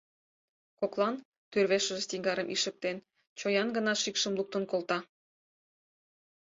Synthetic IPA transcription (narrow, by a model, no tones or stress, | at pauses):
koklˠɑn | t̪ørβeʃə̆ʒest̪iŋɡɑɾəmʔiʃə̆k̚t̪en | t͡ɕojɑnɡə̆nɑʃikʃə̆mluk̚t̪ə̆nkolt̪ɑ